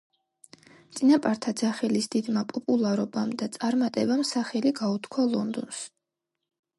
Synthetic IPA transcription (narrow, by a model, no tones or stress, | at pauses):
t̪sʼinapʼaɾt̪ʰad̪zaχɛlisd̪̥id̪mapʼɔpʼulˠaɾɔbamd̪at̪sʼaɾmat̪ʼɛbamsaχɛliɡaut̪ʰkʰwalˠɔnd̪ɔns